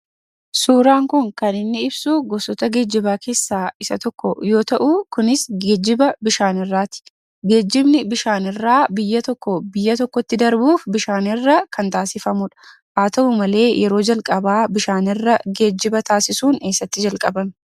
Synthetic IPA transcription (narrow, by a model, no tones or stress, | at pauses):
suːɾaːŋkʊŋkɐnɪnːɪɪbsuɡɔsɔt̪ɐɡe̞ːd͡ʒːɪbaːkʰe̞ːsːaːɪsɐ̰t̪ɔkːɔjo̞ːt̪ɐʔʊkʊnɪsɡeːd͡ʒːɪbɐbɪʃaːnɪrːaːt̪ɪ̥ | ɡe̞ːd͡ʒːɪbnɪbɪʃaːnɪrːaːbɪjːɐt̪ɔkːɔbɪjːɐt̪ɔkːɔt̪ːɪd̪ɐɾbuːfbɪʃaːnɪrːɐkʰɐnt̪aːsɪfɐmʊᶑɐ̥ | ʔaːt̪ɐʔʊmɐle̞ːjʔɛɾo̞ːd͡ʒɐlkʼɐbaːbɪʃaːnɪrːɐɡe̞ːd͡ʒːɪbɐt̪aːsɪsuːne̞ːsːɐt̪ːɪd͡ʒɐlkʼɐbɐm